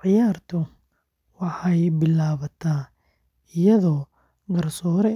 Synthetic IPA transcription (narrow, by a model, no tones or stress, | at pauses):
ʕɪjaːrt̪ʰʊ | wɑħɑjbɪlaːβɐt̪ʰaː | ɪjɐðɔː | ɡɐrsɔːɾɛ